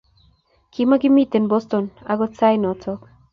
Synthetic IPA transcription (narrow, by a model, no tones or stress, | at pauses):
kimaɡimit̪enbost̪ona̰ɡot͡sajnɔtʰɔk